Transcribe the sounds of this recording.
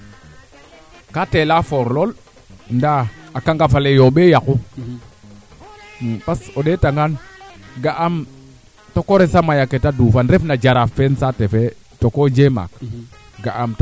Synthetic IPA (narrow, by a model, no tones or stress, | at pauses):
katelafoɾlol | ndaakaŋɡafalejoɓejaku | pasoɗetaŋɡanɡaʔam | tokoɾesamajaketadufanɾefnad͡ʒaɾafensatefe | tokod͡ʒema̰k | ɡaʔamt